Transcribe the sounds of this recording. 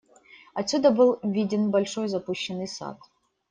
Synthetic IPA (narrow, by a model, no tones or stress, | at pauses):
ɐtt͡sʲːud̪ɐbɨlˠvʲidʲɪnbɐlʲʂo̞jzɐpuɕːɪnɨjsa̰t̪